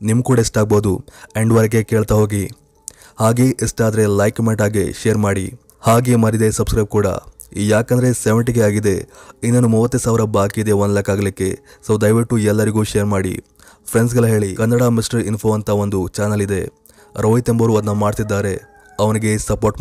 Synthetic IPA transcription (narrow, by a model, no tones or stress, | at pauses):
nimukuːɽɐesʈaːɡ̚boːd̪ueɳɖʋɐɾɡe̞ke̞ːɭt̪ɐɦo̞ːɡi | haːɡeʔesʈaːd̪ɐɾe̞lɐjkɐmeɳʈaːɡeʃejɐɾmaːɽḭ | haːɡemɐɾid̪e̞sɐbskɾɐjb̚kuːɽɐ̰ | jaːkɐnd̪ɐɾe̞seʋeɳʈiɡeaːɡid̪e̞inːɐnːumuʋɐt̪ːesaːʋiɾɐbaːkid̪e̞ʋɐnlɐkːaːɡɐlikːe̞̰sɐʋd̪ɐjʋiʈːuɛlːɐɾiɡuːʃejɐɾmaːɽḭ | pʰɾens̬ɡɐɭɐɦe̞ːɭikɐnːɐɽamisʈɐɾinpʰo̞ːɐnt̪ʰɐʋond̪ut͡ʃaːnɐlid̪e̞ | ɾoːɦit̪embɐɾuɐd̪nɐmaːɽt̪id̪ːaːɾe̞ | ɐʋɐniɡe̞sɐpoːɾʈ